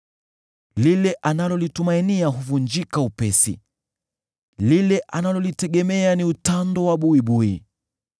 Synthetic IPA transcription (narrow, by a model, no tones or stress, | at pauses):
lilɛʔanalɔlitumainiaɦuvund͡ʒikaupɛsḭ | lilɛʔanalɔlitɛɠɛmɛaniutandɔwaɓuiɓui